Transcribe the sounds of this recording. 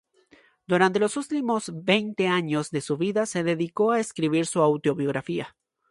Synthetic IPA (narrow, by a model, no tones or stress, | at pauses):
d̪̥uɾant̪e̞lo̞sult̪imo̞zbe̞jnt̪e̞aɲo̞zðe̞suβiðase̞ðe̞ðiko̞aeskɾiβiɾsuawt̪o̞βjo̞ɣ̞ɾafia